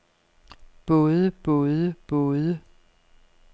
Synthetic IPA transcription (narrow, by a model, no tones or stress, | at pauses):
b̥ɔ̽ːðˠəb̥ɔ̽ːðˠəb̥ɔ̽ːðˠə